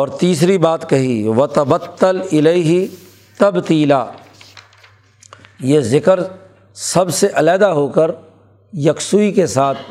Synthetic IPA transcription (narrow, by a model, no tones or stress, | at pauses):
ɔːɾt̪iːs̬ɾibaːt̪kɐɦiʋɐt̪ɐbɐt̪ːɐlɪleɪɦɪ | t̪ɐbt̪iːlaː | jeːzɪkəɾ | sɐbseʔɐlɛːd̪aɦoːkəɾ | jɐksuːikesaːt̪ʰ